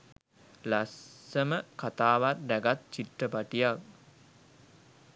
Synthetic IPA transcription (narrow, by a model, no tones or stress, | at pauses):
lasəməkat̪aːʋardæɡat̪̚t͡ʃiʈːəbaʈijak